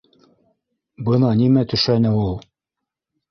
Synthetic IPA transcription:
bɤnɑnimæt̪ɵ̆ʃænɘulˠ

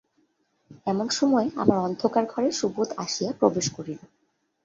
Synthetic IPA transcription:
ɛmonʃɔmɔea̰maɾɔnd̪ʱokaɾɡʱɔɾeʃubot̪aʃijapɾobeʃkoɾilo

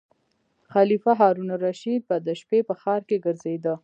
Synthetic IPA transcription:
xalifaɦɑɾunɾaʃid̪̚bad̪əʃpepəxɑɾkeɡəɾzed̪ə

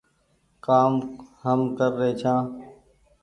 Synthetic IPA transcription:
kaːmɦəmkəɾːeːt͡ʃʰãː

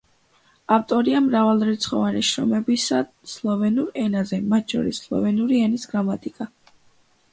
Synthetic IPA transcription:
aft̪ʼɔɾiamɾavalˠɾɛt̪sʰχɔvaniʃɾɔmɛbisa | slˠɔvɛnuɾɛnazɛmat̪ʰʃʰɔ̰ɾisːlˠɔ̰vɛnuɾiɛnisɡɾamat̪ʼikʼa

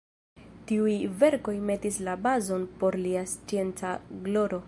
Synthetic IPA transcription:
tiujve̞ɾko̞jme̞tislabazo̞npo̞ɾliast͡sie̞nt͡saɡlo̞ɾo̞

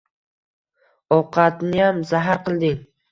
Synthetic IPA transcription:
ɒwqʰɑt̪nɪjamzaɦaɾqʰɨlˠd̪ɪŋ

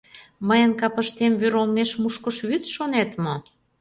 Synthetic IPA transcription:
məjənkɑpəʃt̪emβyɾolmeʃmuʃkə̆ʃβyt̪ʃonet̪mo

